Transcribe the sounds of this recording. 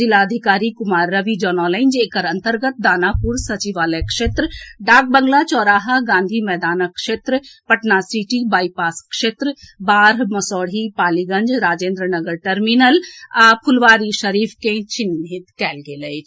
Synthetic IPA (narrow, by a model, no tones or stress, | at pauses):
zilaəd̪ʱikaːɾikumaːɾːəʋid͡ʒɔːnɔlə̃ɪnd͡ʒeːkəɾənt̪əɾɡət̪̚d̪aːnapuɾsɐt͡ʃiʋaːlekʃeːt̪ɾɖaːɡ̚bəŋlat͡ʃɔːɾaːɦaɡãːnd̪ʱimɛːd̪aːnəkʃeːt̪ɾəpəʈnasiʈibaːipaːskʃeːt̪ɾəbaːɾmɐsɔːɽɦipaːliɡə̃nd͡ʒɾaːd͡ʒeːnd̪ɾənəɡəɾʈəɾminəlapʰulʋaːɾiʃəɾiːpʰkẽt͡ʃinɦit̪kɛːlɡelət͡ʃʰ